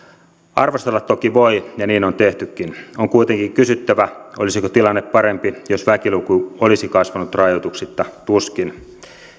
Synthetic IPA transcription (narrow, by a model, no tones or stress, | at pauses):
ɑrʋost̪elːɑt̪t̪ːokiʋoijɑniːnont̪eht̪ykːinoŋkuit̪eŋkiŋkysyt̪ːæʋæolisikot̪ilɑnːepːɑɾempijosʋækilukuolisikɑsʋɑnut̪rɑjot̪uksit̪ːɑt̪uskin